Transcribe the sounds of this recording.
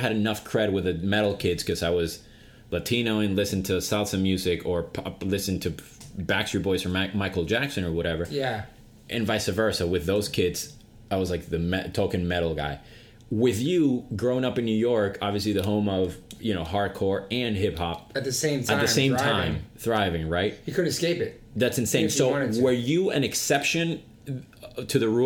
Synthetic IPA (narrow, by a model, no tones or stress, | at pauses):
ɨɾɨnʌfkʰɹ̥ɛd̚wɨðɨmɛɾl̩ˠkʰɪdz̥kʰʌzaɪwʌz̥ | lɨtʰĩnoʊɨ̃nlɪsɨ̃n̩tʰɨsælˠsɨ̃mjʉzɪkʰə˞pʰɑlɪsɨ̃ntʰɨbækstɹibɔɪzə˞maɪkl̩ˠd͡ʒæksɨ̃nə˞wʌɾɛvə˞jæ | ʔɨ̃nvaɪsɨvɜ˞səwɨðoʊz̥kʰɪdz̥ | aɪwʌzlaɪk̚ðɨmɛtʰoʊkɨ̃nmɛɾl̩ˠɡa̰ɪ | wɪðjɨɡɹõʊ̃ɪ̃nʌpɨ̃nːʉjɔɹkʰɑbviɨs̬liðɨɦõʊ̃mʌv̥jɨñoʊɦɑɹd̚kʰɔɹɨ̃nɦɪp̚hɑp̚ɨt̪̚ðɨsẽɪ̃mtʰɨt̚ðɨ̃sẽɪ̃mtʰãɪ̃ŋmθɹaɪvɪ̃ŋɹaɪt̚hikʰʊdⁿn̩tɨskeɪpɪt̚ | ðætsɨ̃n̩sẽɪ̃msoʊ̃nwə˞jɨɨ̃nɨksɛpʃɨ̃n | tʰɨðɨɹu